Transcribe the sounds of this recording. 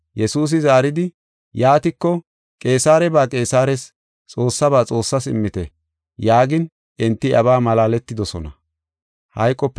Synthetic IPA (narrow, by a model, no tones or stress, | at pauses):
jɛsuːs̬ɪzaːɾɪd̪ɪ | jaːt̪ɪkːɔ | kʼe̞ːsaːɾɛbaːkʼe̞ːsaːɾɛs | t͡sʼo̞ːsːɐbaːt͡sʼo̞ːsːɐsɪmːɪt̪ɛ | jaːɡɪn | ʔɪnt̪ːɪʔɐbaːmɐlaːlɛt̪ːɪd̪ɔsɔnɐ̰ | hɐjkʼːɔpː